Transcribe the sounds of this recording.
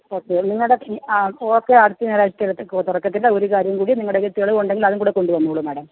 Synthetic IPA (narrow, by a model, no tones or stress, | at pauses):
o̞ːkːeniŋːɐɭɽeoːkːeɐɽut̪ːiɐniɾaːɕɐt̪ːɐlːt̪urɐkːɐt̪ːindɐo̞ɾukaːɾjɐmkuːɽiniŋːɐɭɽeket̪ːiɣɐɭɨoɳɖeŋɡilɐðuŋkuːɽeko̞ɳɖuʋɐnːuuɭumaɽɐm